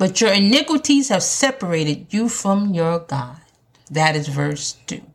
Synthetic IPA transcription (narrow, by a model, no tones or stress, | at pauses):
b̥ʌt͡ʃə˞ɨnɪkwɨɾiz̥hɨv̥sɛpə˞eɪɾɨdɨfɹʌ̃mjə˞ɡɑd̚ | ðɨɾɨzvɜ˞stʰʉ̰